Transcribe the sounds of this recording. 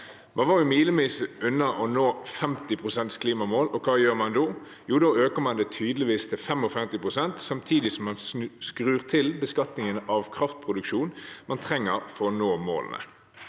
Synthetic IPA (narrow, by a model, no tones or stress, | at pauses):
mʔɑnʋɑːʁjʊmiːləmiːsəʉnːɑʔɔnoːfɛmt̪ɪpʰʁʊsɛnt̪skʰliːmɑmoːlɔkʰɑːjøːʁmɑnd̪oː | juːd̪ɔøːkəmɑnd̪ɛːt̪ʰyːd̪lɪʋiːst̪ʰɪlfɛmɔfɛmt̪ɪpʁʊsɛnt̪sɑmt̪ʰiːd̪ɪsɔmmɑnskɾʉːʁt̪ʰɪlbəskɑt̪nɪŋənʔɑʋkʰʁɑft̪̚pʰʁʊd̪ʉkʃuːnmɑnt̪ʰʁɛŋːəɾfɔɾɔnoːmo̰ːlə̰nə̰